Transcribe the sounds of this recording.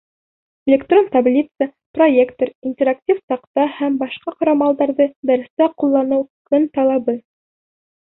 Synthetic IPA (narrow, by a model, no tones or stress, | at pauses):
elʲekt̪ro̞nt̪ablʲit̪sə | proje̞kt̪oɾinʲtʲeɾak̚tʲifsɑqt̪ɑhæmbɑʃqɑqɑɾɑmɑlˠd̪ɑɾðɤd̪æɾɘ̆st̪æqulˠːɑnɤwkɵnt̪ɑlˠɑβɤ